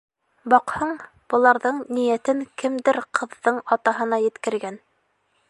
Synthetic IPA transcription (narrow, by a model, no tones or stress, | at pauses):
bɑqhɤɴ | b̥ɤ̆lˠɑɾðɤɴnijæt̪ɘŋkɘmd̪ɘɾqʰɤ̆ðːɤɴɑt̪ɑɦɤ̆nɑjɘ̆t̪kɘ̆ɾɡæn